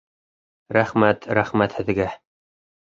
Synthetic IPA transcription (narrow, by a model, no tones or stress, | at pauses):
ɾæχmæt̪ɾæχmæt̪hɘ̆ðɡæ